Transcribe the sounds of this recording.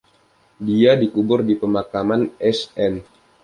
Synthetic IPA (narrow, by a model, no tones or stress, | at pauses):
diadikubʊrdipəmakamanɛsɛn